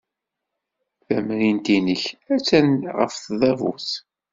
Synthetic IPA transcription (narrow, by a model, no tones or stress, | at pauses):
θæmɾint̪inəçæt͡sːænʁə̰fθðˤævṵθ